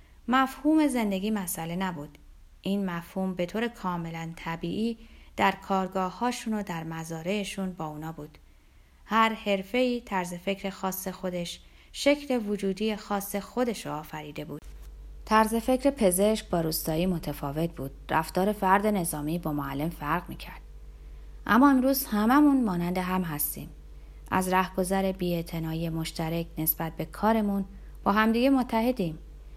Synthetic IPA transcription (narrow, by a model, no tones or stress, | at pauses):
mæfhuːme̞ze̞nd̪e̞ɡʲiːmæsʔæle̞næbuːd̪̥ | ʔiːnmæfhuːmbe̞t̪ʰoːɾe̞kʰɒːme̞lænt̪ʰæbiːʔiːd̪̥æɾkʰɒːɾɡɒːhɒːʃunod̪æɾmæzɒːɾe̞ːʃuːnbɒːuːnɒːbuːd̪̥ | hæɾhe̞ɾfe̞iːt̪ʰæɾze̞fe̞cʰɾe̞xɒːsːe̞xo̞d̪e̞ʃ | ʃe̞cʰle̞vod͡ʒuːd̪ijexɒːsːexo̞d̪e̞ʃoːfæɾiːd̪e̞buːd̪̥t̪ʰæɾze̞fe̞cʰɾe̞pʰe̞ze̞ʃk̚bɒːɾuːst̪ɒːiːmo̞t̪ʰefɒːve̞t̪̚buːd̪̥ræft̪ɒːɾe̞fæɾd̪e̞ne̞zɒːmiːbɒːmoælːe̞mfæɾɣmiːcʰæɾd̪̥̚ | ʔæ̰mːɒːemɾuːz̥hæmæmunmɒːnænd̪e̞ɦæmɦæst̪ḭːm | ʔæ̰zɾæhɡo̞zæɾe̞biːe̞t̪ʰe̞nɒːijemo̞ʃt̪æɾecʰne̞sb̥æt̪̚be̞kʰɒːɾe̞mun | b̥ɒːɦæmd̪iːɟe̞mot̪ʰːæhe̞d̪iːm